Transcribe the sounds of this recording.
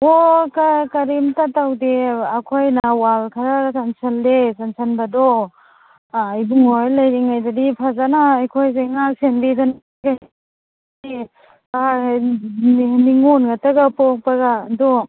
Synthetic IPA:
okakɐɾimtatawdeɐkʰojnawalkʰɐɾaɡsansɐldesansɐnbɐdɔ | ajbuŋojlɐjɾiŋajdadipʰazanaːjkʰojseŋak̚senbidan | ɡa | di | aa | niŋonɡatɐɡɐpok̚pɐɡaːdɔ

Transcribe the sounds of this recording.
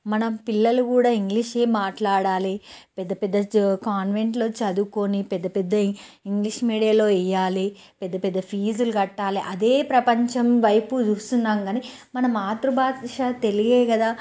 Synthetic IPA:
mɐnɐmpilːɐlukuːɽaːiŋɡliʂe̞ːmaːʈlaːɽaːlipɛd̪ːɐpɛd̪ːɐkaːnʋe̞ɳʈlo̞ːt͡ʃɐd̪uko̞nipɛd̪ːɐpɛd̪ːɐiŋɡliʂmiːɽijɐlo̞ːɛjaːli | pɛd̪ːɐpɛd̪ːɐpʰiːzuluɡɐʈːaːliʔɐd̪e̞ːpɾɐpɐɲt͡ʃɐmʋɐjput͡ʃuːst̪unːaːŋɡaːnimɐnɐmaːt̪ɾubaːt̪ʃat̪e̞liɡeːkɐd̪aː

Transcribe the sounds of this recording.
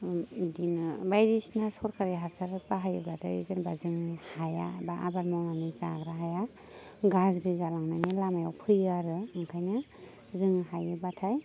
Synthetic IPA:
dinbajɾisnasɔɾkʰaɾiɦaɾsʰaɾat̚baɦajɯbatʰajzanbazɯŋihaja̰baʔa̰balmɔmaniza̰ɡɾaɦaja | ɡazɾɯzalaŋnanelamaja̰wpʰɯjaɾɯɯŋkʰajna | zɯŋɦajɯbatʰaj

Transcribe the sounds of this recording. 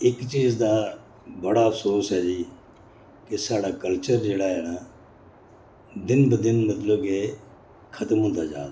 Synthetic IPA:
ɪkt͡ʃiːzd̪aː | bəɽaːəpʰsoːsɦɛːd͡ʒiː | kɪsaːɽaːkəlt͡ʃəɾd͡ʒeːɽaːɦɛːna | d̪ɪnbəd̪ɪnmət̪ləbkeː | kʰət̪əmɦʊ̃nd̪aːd͡ʒa̰ːd̪a

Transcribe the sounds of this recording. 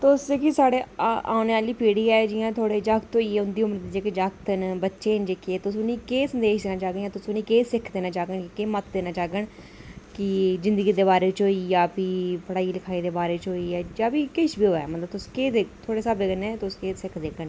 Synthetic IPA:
t̪ʊseːkisaːɽeːa̰ːʊneːaːliːpiːɽiːɛːd͡ʒɪːãːt̪ʰoːɽeːd͡ʒaːkt̪oːiːɛːʊnd̪iːʊməɾd̪iːd͡ʒeːked͡ʒaːkt̪ənbətːʃeːnd͡ʒeːkeeːt̪ʊsʊniːkeːsənd̪eːʃd̪eːnãːt͡ʃaːɡəjãːt̪ʊsʊnĩːkeːsɪkʰd̪eːnãːt͡ʃaːɡəɳkɪkeːmət̪d̪eːnãːt͡ʃaːɡəɳ | kɪzɪnd̪əɡiːd̪eːbaːɾeːt͡ʃoːiːjaːpiːpəɽaːiːlɪkʰaːiːd̪eːbaːɾeːt͡ʃɦoːiːɛːd͡ʒaːpiːkɪʃbiːɦoːɛːmət̪ləb̚t̪ʊskeːd̪eːt̪ʰoːɽeːsəbeːkənẽːt̪ʊskeːsɪkʰd̪eːkəɳ

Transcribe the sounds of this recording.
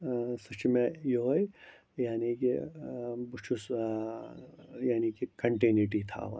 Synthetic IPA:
sɐt͡ʃimẽjoj | jaːniki | but͡ʃʰus | jaːnikikɐɳʈiniʈit̪ʰa̰ʋɐ̰

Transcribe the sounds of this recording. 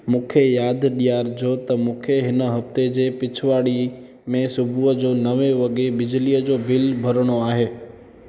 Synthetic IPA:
mũːkʰejaːd̪ʱɗijaːɾd͡ʑoːt̪ɐmũːkʰeɦɪnə̆ɦɐft̪ed͡ʑeːpɪt͡ɕʰʋaːɽi | mẽsʊbʱuəd͡ʑoːnɐʋeʋɐɠebɪd͡ʑliəd͡ʑoːbʱɪlbʱɐɾɽ̃oaːɦeː

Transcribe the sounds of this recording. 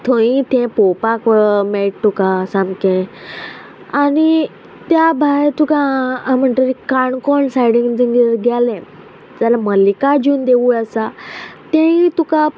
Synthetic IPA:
t̪ʰõĩt̪ɛ̃popakmeʈt̪ukasãmkɛ̃ | ani | t̪jabʱajt̪ukãm̤əɳʈ̪əɾikaɳkɔɳsajɽĩŋɡd͡zəŋɡəɾɡɛlɛ̃ | d͡zalaməlikad͡ʑuːnd̪eʋuəsat̪ẽĩt̪uka

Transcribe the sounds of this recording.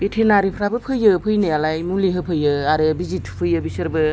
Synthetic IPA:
b̥etʰenaɾipʰɾabɯpʰɯjɯpʰɯjnɯjalajmuliɦɯpʰɯjɯaɾɯbizitʰpʰɯjɯbisɯɾbɯ

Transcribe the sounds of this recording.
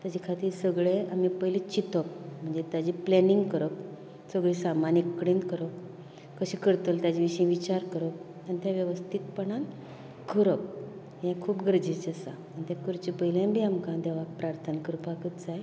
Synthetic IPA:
t̪jad͡ʑikʰat̪iːɾsəɡɭeamipəɦilit͡ɕit̪ək̚m̤əɳd͡zet̪jad͡ʑiplɛniŋɡkəɾək | səɡɭisamanikːɽinkəɾəkː | əɕikəɾt̪əlt̪jad͡ʑiʋiɕəĩʋit͡ɕaɾkəɾək̚ | anit̪jaʋjəʋəst̪ʰit̪̚pəɳan | kʰəɾək̚ | jãkʰuːpɡəɾd͡ʑit͡ɕəsa | ant̪jakuɾt͡ɕipəɦiljãnbʱiːamkãd̪eʋak̚pɾaɾt̪ʰənəkəɾupakət̪d͡zaj

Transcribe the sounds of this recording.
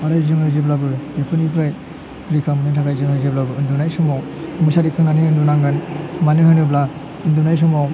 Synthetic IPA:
aɾajzɯŋɯzeblabɯɾbepʰɯnipʰɾaj | ɾikʰamnitʰaɡajzɯŋɯzeblabɯɾɯndunajsumaw | mɯsaɾikʰɯŋnanɯɯndunaŋɡanmanɯhɯnɯbla | indunajs̬umaw

